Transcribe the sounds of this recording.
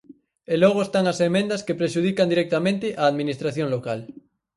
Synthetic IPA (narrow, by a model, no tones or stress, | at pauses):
elɔɣ̞oest̪aŋɐsemẽnd̪ɐskepɾeʃuð̞ikand̪iɾɛk̚t̪amẽnt̪ɪʔaːðminist̪ɾaθjoŋlokal